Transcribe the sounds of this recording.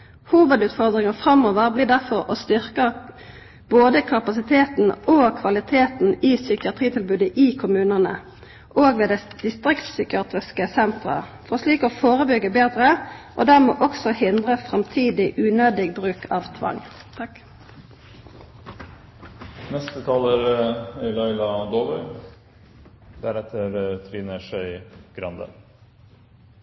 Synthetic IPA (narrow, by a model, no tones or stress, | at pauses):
huːʋəd̪ʉːt̪fɔʁd̪ʁɪŋəfʁɑmoːʋəʁbliːd̪æʁfɔʁo̰ːst̪ʏʁkə | b̥oːd̪əkʰɑpɑsɪt̪ʰeːt̪n̩oːkʰʋɑlɪt̪ʰeːt̪n̩iːsʏkɪɑt̪ʁiːt̪ʰɪlbʉːd̪əʔiːkʰʊmʉːnənə | ʔoːɡʋeːd̪ɛd̪̥ɪst̪ʁɪkt̪sʏkɪɑːt̪ʁɪskəsɛnt̪ʁə̰fɔʁsliːkoːfoːʁəbʏɡːəbeːd̪ʁəʔo̰ːd̪æʁmoːʔɔksɔhɪnd̪ʁəfʁɑmt̪ʰiːd̪ɪʔʉːnøːd̪ɪɡ̚bʁʉːkʰɑːʋt̪ʰʋɑ̰ŋt̪ʰ | nɛst̪ət̪ʰɑːləɾɛlɑɪlɑd̪oːʋəɾ | d̪̥æɾɛt̪ʰəɾt̪ʰʋiːnəʃœʏɡ̥ɾɑnd̪ə̰